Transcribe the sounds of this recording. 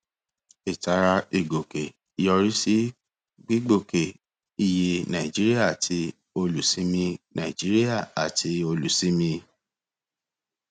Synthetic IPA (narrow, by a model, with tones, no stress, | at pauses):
i˨ta˨˧ɾa˧i˨ɡo˨ke˨ | i˨˧jɔ˧ɾi˦si˦ | ɡ͡bi˦ɡ͡bo˦˨ke˨ | i˧je˧nã˨i˨d͡ʒi˦ɾi˦a˦˨tʰi˧ | o˧lu˨si˨˦mĩ˧nã̰˨i˨d͡ʒi˦ɾi˦ja˦˨a˨tʰi˧˦o˧lu˨si˦mĩ˧